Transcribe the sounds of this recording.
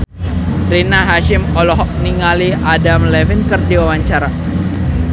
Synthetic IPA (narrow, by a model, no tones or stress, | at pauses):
ɾinaɦaʃɪmɔlɔɦɔk̚niŋaliadamlɛvinkərdiwawaɲt͡ʃaɾa